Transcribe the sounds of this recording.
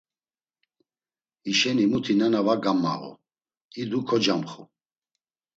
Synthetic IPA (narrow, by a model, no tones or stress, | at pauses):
iʃɛnimut̪ʰinanavaɡamːa̰ɣṵ | id̪ukʰɔd͡ʒamχṵ